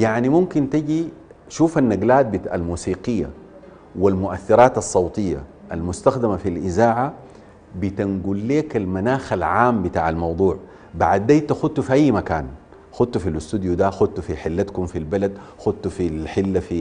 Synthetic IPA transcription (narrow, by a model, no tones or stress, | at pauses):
jaʕnimumkint̪iɟi | ʃuːfanːaɡlaːt̪̚bit̪a̰lmuːsiːqɪjːa̰ | wilmʊʔaθːiɾɑːt̪ɑsˤːɑwt̪ˤɨjːa̰ʔa̰lmʊst̪axd̪amafilʔizaːʕa | bit̪anɡulːeːkalmanaːxalʕaːmbit̪a̰ːʕalmɑwd̪ˤuːʕ | baʕad̪ːeːt̪axud̪̚t̪ufiʔajːmakaːn | xʊd̪̚t̪ufilʊst̪ud̪jud̪axud̪̚t̪ufiħɪlːat̪kumfilbalad̪xud̪̚t̪ufilħɪlːafi